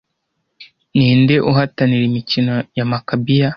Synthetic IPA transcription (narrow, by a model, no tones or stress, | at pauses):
niːndeʔuɦataniɾimicinojamakabija